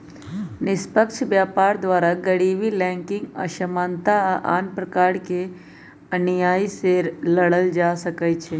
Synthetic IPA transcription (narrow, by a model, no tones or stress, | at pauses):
nɪspəkʃbjaːpaːɾd̪ʋaːɾaɡəɽiːʋilɛ̃ːŋkɪ̃ŋɡə̰ʃəmãːnt̪aʔa̰ːnpɾəkaːɾke | ɐnjaːiseɾləɽəld͡ʒaːsəkət͡ʃʰe